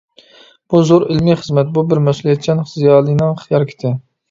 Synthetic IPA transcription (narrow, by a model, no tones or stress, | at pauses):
b̥uzoɾɪlmiχəzmɛt̪̚bubɪɾmɛsulˠjɛt̪̚t͡ʃʰʲɛnχzijɑːlˠinɨŋχjɑɾkʲʰɪ̥t̪ʰɪ